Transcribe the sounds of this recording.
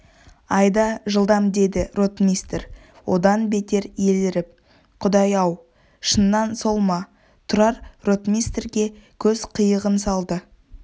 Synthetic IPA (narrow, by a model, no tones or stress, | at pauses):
ɑjd̪ɑʒəlˠd̪ɑmd̪e̞d̪ɪɾo̞t̪mʲijst̪ɾ | wo̞d̪ɑnbe̞t̪e̞ɾje̞ld̪ɪɾɪp̚ | qʰʊd̪ɑjɑw | ʃənːɑnso̞lˠmɑ | t̪ʰʊɾɑɾro̞t̪mijst̪rɡʲe̞kʲʰɵz̥qʰəjəʁənsɑlˠd̪ə